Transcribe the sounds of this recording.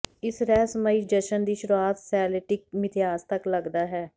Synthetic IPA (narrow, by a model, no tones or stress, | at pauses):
ɪsɾɛːsəməiːd͡ʒəʃənd̪iːʃʊɾuaːt̪sɛːlɪʈɪk̚mɪt̪ʰɪjaːst̪əkləɡd̪aːɦɛː